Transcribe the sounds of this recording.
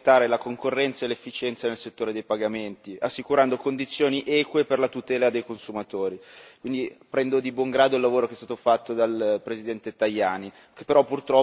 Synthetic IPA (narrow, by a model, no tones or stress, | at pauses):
t̪ːaːɾelakoŋkorːɛnt̪saelːefːit͡ʃɛnt̪sanelset̪ːoːɾed̪ejpaɡament̪iasːikuɾand̪okond̪it̪sːjoːniʔɛːkweperlat̪ut̪ɛːlad̪ejkonsumat̪oːɾikwind̪ipɾɛnd̪od̪ibwɔŋɡɾaːd̪oilːavoːɾokeɛst̪aːt̪ofat̪ːod̪alpɾezid̪ɛnt̪et̪ajːaːni | ke̥pːeɾɔpːurt̪ɾɔ